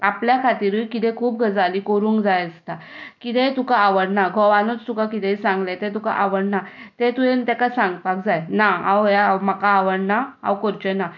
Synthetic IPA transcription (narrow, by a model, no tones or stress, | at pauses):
apljakʰat̪iɾujkit̪̬ɛ̃kʰuːp̚ɡʱəd͡zalikoɾũːŋkd͡zajəst̪akit̪ɛt̪ukaːʋəɽnaɡʱɔʋanot͡st̪ukakit̪ɛsãŋɡlẽt̪ɛ̃t̪̬uka̰ʔaʋəɽnat̪ẽt̪uent̪ɛkasãŋɡpakd͡zajnaawjamakaːʋəɽnaa̰wkoɾt͡ɕɛna